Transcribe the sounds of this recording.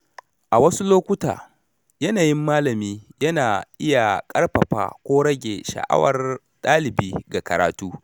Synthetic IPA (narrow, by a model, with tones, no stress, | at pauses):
ʔa˨wɐ˦su˦loː˦kʷʊ˦ta̰ː˨ | jɐ˦naː˨jɪ˦mːaː˦lɐ˨miː˦jɐ˦naː˨ʔɪ˦ja˨kʼɐ˦rɸɐ˨ɸa̰ː˦˨kʷoː˦ɽɐ˦ɡʲe˨ʃɐ̰˨ʔa̰˦wɐ̰˨r | tʼaː˦lɪ˨biː˦ɡa˨kɐ˨ɾaː˨tuː˦